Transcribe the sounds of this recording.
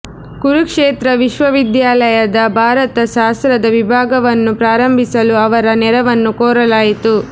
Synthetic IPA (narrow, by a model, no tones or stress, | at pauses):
ɡuɾukʂeːt̪ɾɐʋiʃʋɐʋid̪jaːlɐjɐd̪ɐbʱaːɾɐt̪ɐʃaːst̪ɾɐd̪ɐʋibʱaːɡɐʋɐnːupɾaːɾɐmbʱisɐluɐʋɐɾɐnɛɾɐʋɐnːukoːɾɐlaːjit̪u